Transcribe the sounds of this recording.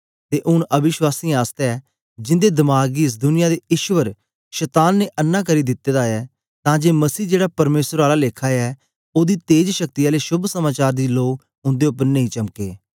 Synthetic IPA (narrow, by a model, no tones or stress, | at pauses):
t̪eːʔʊñʔəbɪʃwaːsĩːaːst̪eɛː | d͡ʒɪ̃nd̪eːd̪ɪmaːɡiɪs̬d̪ʊnɪjaːd̪eːɪʃʋəɾ | ʃɛt̪aːnːeːʔənːãːkəɾiːd̪ɪt̪ːeːd̪aɛː | t̪ãːd͡ʒeːməsiːd͡ʒeːɽaːpəɾmeːsəɾaːlaːleːkʰaːɛː | oːd̪iːt̪eːd͡ʒʃək̚t̪ijaːleːʃʊbʱsəmaːt͡ʃaːɾd̪iːloːk | ʊ̃nd̪eːʊpəɾnəĩːt͡ʃəmkeː